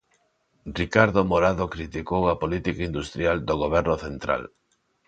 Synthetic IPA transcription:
rikaɾðomoɾaðokɾit̪ikowɐpolit̪ikaind̪ust̪ɾjald̪oɣoβɛɾnoθent̪ɾa̰l

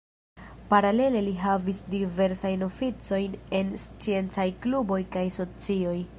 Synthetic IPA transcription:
paɾale̞le̞liɦavisdive̞ɾsajno̞fit͡so̞jne̞nst͡sie̞nt͡sajklubo̞jkajso̞t͡sio̞j

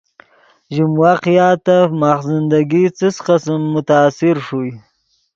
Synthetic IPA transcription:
ʒimwaqjɑːt̪amaχzɪnd̪aɡit͡səsqəsmːʊt̪aːsɪɾʂuj

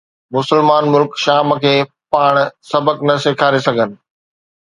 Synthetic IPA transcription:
mʊsəlmaːnmʊlkʃaːmkʰeː | paːɽ̃sɐbəknɐseːkʰaːɾesɐɡʱənɪ̆

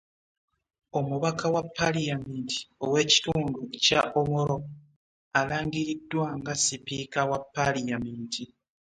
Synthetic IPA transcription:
o̞muβakʰawapːalijamiːnti̥o̞we̞ːci̥tuːnduca̰ʔomoɾo̞ | alaːŋɡiɾidːwaŋɡasipiːkawapːalijamiːntʰi

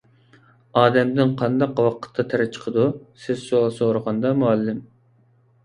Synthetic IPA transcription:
ɑːd̪ɛmd̪ɪnqʰɑnd̪ɑqwɑqə̥t̪ʰːɑt̪ʰɛɾɛt͡ʃʰə̥qʰəd̪usɪzsolˠsoɾəʁɑnd̪ɑmuɑlːɪm

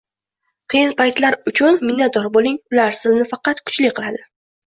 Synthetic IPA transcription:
qʰɨjɪnpʰajt̪laɾʊt͡ʃʰʊnmɪnːat̪̚d̪ɒɾbolˠɪŋʊlaɾsɪlnɪfɑqɑt̪kʰʊ̥t͡ʃlɪqʰɨlˠad̪ɪ

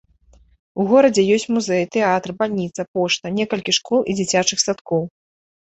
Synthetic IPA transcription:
uɣɔɾɐd͡zʲɛjɔsʲt͡sʲmuzɛjt̪ɛat̪rbalʲnʲit̪sɐpɔʂt̪ɐnʲɛkɐlʲkʲiʂkɔlˠʔid͡zʲit͡sʲat͡ʂɨxsat̪kɔw

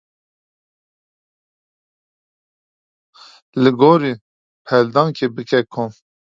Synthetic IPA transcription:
lɨɡoːɾiː | pʰɛld̪ɑ̃ːŋkʰebɨkɛkʰom

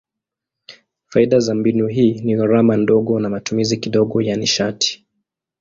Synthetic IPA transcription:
faiɗazambinuɦiːniɣaɾamandɔɠɔnamatumizikiɗɔɠɔjaniʃatʰi̥

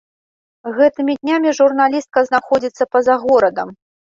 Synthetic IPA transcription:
ɣɛt̪ɨmʲid̪ʲnʲamʲiʐurnalʲist̪̚kɐznaxɔd͡zʲit̪sːɐpɐzaɣɔɾɐd̪ɐm

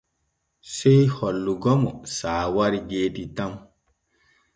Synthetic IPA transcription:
sɛjhɔlːuɡɔmɔsaːwaɾiɡeːditam

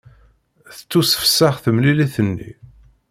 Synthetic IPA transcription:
θə̥t͡sːusə̥fsːaχθəmliliθənːḭ

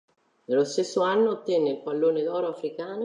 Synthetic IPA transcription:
nelːost̪esːoanːoat̪ːɛnːeilpalːoːned̪ɔːɾoafɾikaːn

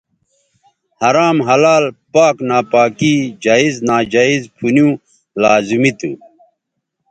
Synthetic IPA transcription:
hɐɾaːmɦɐlaːlpaːknaːpaːkid͡ʑaːiznaːd͡ʑaːizpʰunjũː | laːzimit̪ṵ

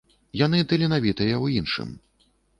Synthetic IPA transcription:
jan̪ɨt̪ɐlʲɛnavʲit̪ɐjɐwjinʂɨ̰m

